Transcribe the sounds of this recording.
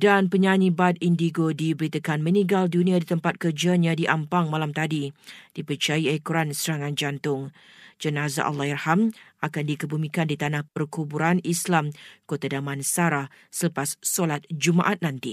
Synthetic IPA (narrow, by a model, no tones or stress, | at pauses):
danpəɲaɲibat̪̚indiɡodibəɾit̪əkanmə̃nĩŋɡaldunĩadit̪əmpat̪̚kərd͡ʒanjãdiʔampaŋmalamt̪adid̥ipət͡ʃaiɛkɾansəɾaŋãnd͡ʒant̪ʊŋ | d͡ʒənaza̰ʔa̰lːahirhamakandikəbumĩkandit̪anahpərkubuɾanislamkot̪adamãnsaɾah | sələpasːolat̪̚d͡ʒuma̰ʔat̪̚nant̪i